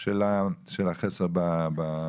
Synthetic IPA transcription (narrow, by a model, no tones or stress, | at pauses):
ʃelaʃelaχeseʁbaba